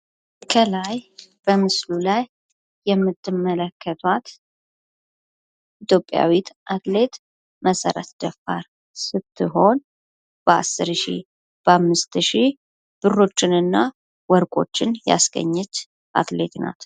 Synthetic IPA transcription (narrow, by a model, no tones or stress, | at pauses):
kʰəlajb̥əmɨslulajː | ɛmːɨt̪ʰːɨmːələkʰːət̪ʰwat̪ | it̪ʰjo̞pʼːja̰wit̪ʔat̪le̞t̪ | mʔəsəɾə̰t̪d̪̥əfdaɾ | sɨt̪ʰːɨɦo̞n | b̥əa̰sːɨɾʃḭ | b̥əamːɨst̪ʃi | b̥ɨrːo̞t͡ʃːɪnɨnːa | wɔɾkʼo̞̰t͡ʃːɪnja̰sɡə̰ɲːɛt͡ʃː | ʔa̰t̪le̞t̪na̰t̪